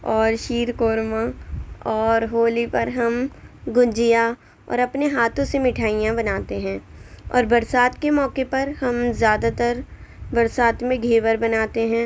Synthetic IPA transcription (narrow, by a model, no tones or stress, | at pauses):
ɔːɾʃiːɾkoːɾmãɔːɾɦoːlipɐɾɦɐmɡʊ̃d͡ʒija | ɔ̰ːɾɐpneɦaːt̪õsemɪʈʰaːijãbɐnaːt̪eɦɛ̃ːɔ̰ːɾbɐɾsaːt̪kemɔːkepɐɾhɐmzjaːd̪at̪əɾbɐɾsaːt̪mẽɡʱeːʋəɾbɐnaːt̪eɦɛ̃ː